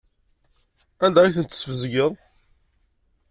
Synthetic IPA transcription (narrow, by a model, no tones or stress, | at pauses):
ænd̪æiθənt̪ːə̥svəzɡəðˤ